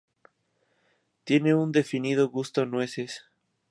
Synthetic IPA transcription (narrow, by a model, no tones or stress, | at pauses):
t̪je̞ne̞und̪e̞finiðoɣust̪onwe̞ses